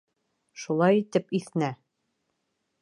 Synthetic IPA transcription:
ʃulˠɑjit̪ɘpiθnæ

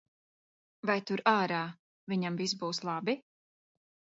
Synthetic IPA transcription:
vajt̪uɾaːɾaː | viɲamvis̬buːslˠɑbi

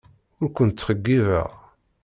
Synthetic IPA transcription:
ʊɾkʷʊnt̪t͡sːχəɡːivə̰ʁ

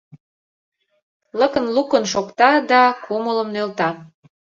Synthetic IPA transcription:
ləkə̆nlukə̆nʃokt̪ɑd̪ɑkʰomələmnølt̪ɑ

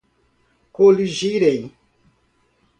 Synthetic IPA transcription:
koliʒiɾẽj

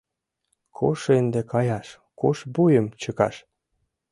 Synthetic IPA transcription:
kʰoʃend̪ekɑjɑʃ | koʃbujəmt͡ɕəkɑ̰ʃ

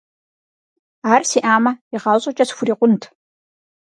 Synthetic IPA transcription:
aːrsiːʔaːmɐiʁɑːwɕʼɐt͡ʃʼɐsxʷʊɾiːqʷʊntʰ

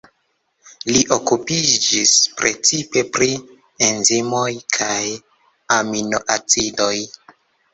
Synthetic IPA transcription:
liʔokupid͡ʒispɾe̞t͡sipe̞pɾi | enzimo̞jkʰaj | aminoʔat͡sido̞j

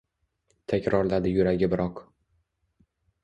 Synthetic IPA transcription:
t̪ʰakʲɾɒɾlad̪ɪjʊɾaɡʲɪbɪɾɒq

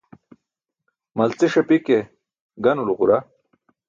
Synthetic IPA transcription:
mɐlt͡siʂɐpike | ɡɐnuluʁuɾa

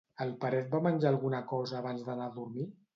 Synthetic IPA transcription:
əlˠpəɾɛt̪̚bamənʲd͡ʒaːlˠɣunəkɔzəːβ̞anzðənaðuɾmi

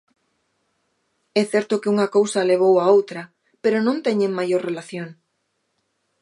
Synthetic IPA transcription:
ɛθɛɾt̪ʊkeuŋɐkowsɐleβ̞owaowt̪ɾɐ | peɾonõnt̪ɛɲeŋmajoɾrelaθjoŋ

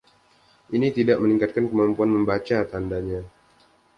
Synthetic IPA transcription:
ʔinit̪idaʔməniŋkat̪̚kankəmampuanməmbat͡ʃat̪andaɲa

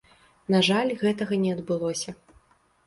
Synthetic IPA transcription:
naʐalʲɣɛt̪ɐɣɐnʲɛɐd̪bɨlˠɔsʲɐ

